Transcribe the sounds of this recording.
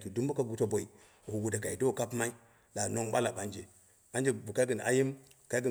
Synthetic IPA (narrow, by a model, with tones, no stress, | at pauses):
ki˨du˦m˦bu˦ka˦ɡu˨to˦bʷo˨i˨ | hu˨wu˨da˨ka˨i˨do˦˨ka˦pma˦i˦ | ɗa˨no˦ŋɓa˦la˨ba˦nd͡ʒe˨ | a˦nd͡ʒe˦˨bu˨ka˦ɡi˨nʔa̰˦ji˦m˨ | ka˦ɡə˨